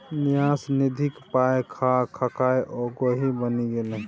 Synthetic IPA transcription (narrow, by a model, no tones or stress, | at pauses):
nijasnid̪ʱikpajkʰakʰəkajʔɔɡoɦibəniɡele